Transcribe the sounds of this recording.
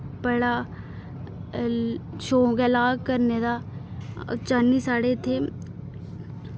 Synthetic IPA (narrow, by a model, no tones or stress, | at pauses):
bəɽa | ʃõːkelaːɡkəɾned̪a̰ | t͡ʃanːisaːɽet̪ʰe